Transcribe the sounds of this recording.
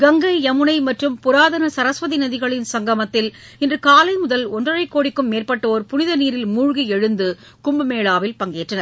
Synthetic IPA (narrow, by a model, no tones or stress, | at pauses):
ɡɐŋɡɐɪɐmɯnɐɪmɐʈrɯmpʊɾaːðɐnɐsɐɾɐsʋɐðinɐðɪɣɐɭɪnsɐŋɡɐmɐt̪ːɪl | ɪndrɯkaːlɐɪmʊðɐlɔndrɐrɐɪkːoːɽɪkːɯmːeːrpɐʈːɐoːɾpʊnɪðɐniːɾɪlmuːɻɣiɛɻɯnd̪ɯ | kʊmbɐmeːɭaːʋɪlpɐŋɡeːʈrɐnɐɾ